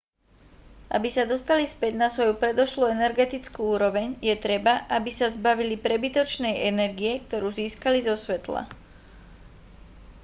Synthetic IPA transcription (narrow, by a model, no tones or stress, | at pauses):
ʔa̰bisad̪ɔst̪alispɛɟnasʋɔjupɾɛd̪ɔʃluɛnɛɾɡɛt̪it͡skuːuːɾɔʋɛɲjɛt̪ɾɛbaʔabisazbaʋilipɾɛbit̪ɔt͡ʃnɛjɛnɛɾɡijɛkt̪ɔɾuːziːskalizɔsʋɛt̪la̰